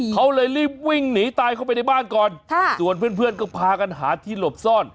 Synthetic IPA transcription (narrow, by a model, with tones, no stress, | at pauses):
kʰa˦˥wlɤː˧jliː˥˩p̚wi˥˩ŋniː˩˦t̪aː˧jkʰwpa˧jna˥˩baː˥˩nkɔː˨˧nʰ˥˩˥su˨˩ənpʰɯ˥˩ənpʰɯ˥˩ənkɔː˥˩pʰaː˧ka˧nɦa̰ː˩˦t̪ʰiː˥˩lo˨˩p̚sɔː˥˩n